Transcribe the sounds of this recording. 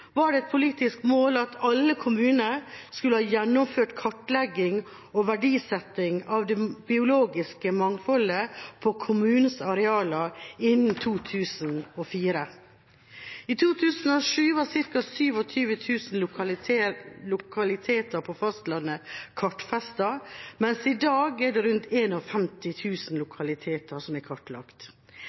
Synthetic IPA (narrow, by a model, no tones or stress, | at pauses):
ʋɑɖɛɛt̪̚pʰʊliːt̪ɪskmoːlɑt̪ʰɑlːəkʰʊmʉːnəɾskʉləhɑːjɛnːɔmføːʈkʰɑʈlɛɡɪŋ | ɔʋæɖiːsɛt̪ːɪŋɑʋd̪ɛbɪʊloːɡɪskəmɑŋfɔləpʰɔkʰʊmʉːnəsɑɾɛɑːləɪnnt̪ʰuːt̪ʰʉːsnɔfiːɾə | iːt̪ʰuːt̪ʰʉːsn̩ɔʂʉːʋæːsɪɾkɑsyːʋɔt̪ʰyːʋət̪ʰʉːsn̩ | lʊkʰɑlɪt̪ʰeːt̪əɾpʰɔfɑst̪lɑnːəkʰɑʈfɛst̪ɑmɛnsɪd̪ɑːɡɛɖɛɾʉnt̪eːnɔfɛmt̪ɪt̪ʰʉːsn̩lʊkʰɑlɪt̪ʰeːt̪ʰəsɔmɛkʰɔʈlɑ̰kt̪